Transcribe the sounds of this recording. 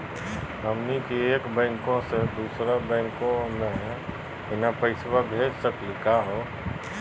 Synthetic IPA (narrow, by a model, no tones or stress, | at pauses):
ɦəmnikieːkbɛ̃ːŋkõsed̪uːsɾabɛ̃ːŋkõnaɦɛ̃ | ɪnapəɪswabʱeːd͡ʒsəklikaɦoː